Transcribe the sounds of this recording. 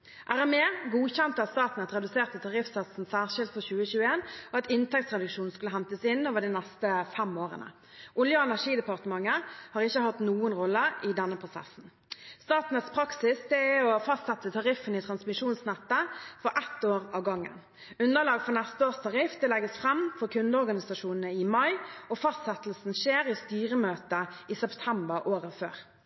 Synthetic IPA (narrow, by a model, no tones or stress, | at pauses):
ʔæʁɛmeːɡuːçɛnt̪əɑt̪st̪ɑːt̪n̩ət̪ɾʁɛd̪ʉseːʁt̪ət̪ʰɑʁɪfsɑt̪sn̩sæːʁʂɪlt̪fɔçʉːəçʉːəeːnɔɑt̪ɪnt̪ʰɛk̚t̪sʁɛd̪ʉkʂuːnn̩skʉləhɦɛnt̪əsɪnːoːʋəʁd̪inɛst̪əfɛmoːʁə̰nə̰ | ʔʊljəɛnæʁʂiːd̪ɛpɑʁt̪əmɑŋːəhɑːʁɪçːəhɑt̪nuːənʁɔlːəɪd̪ɛnːəpʰʁʊsɛ̰sn̩ | st̪ɑːt̪n̩ət̪spʰɾɑksɪsd̪ɛæɔfɑst̪sɛt̪ːət̪ʰɑɾɪfənɪt̪ʰɾɑnsmɪʂuːnsnɛt̪ːəfɔɾʔɛt̪ːoːɾɑʋɡɑŋːə̰n | ʉnd̪əlɑːɡfɔnɛst̪əoːst̪ʰɑʁɪfd̪ɛlɛɡəsfɾɛmfɔʁkʰʉnd̪əɔɾɡɑnɪsɑʂuːnənəɪmɑɪɔfɑst̪sɛt̪l̩sn̩ʃeːɾɪst̪yːɾəmøːt̪əɪsɛpt̪ʰɛmbəʁʔoːɾəfø̰ːʁ